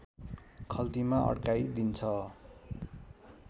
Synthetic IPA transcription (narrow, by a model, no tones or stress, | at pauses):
kʰʌlt̪imaʔʌ̰ɽkajd̪int͡sʰʌ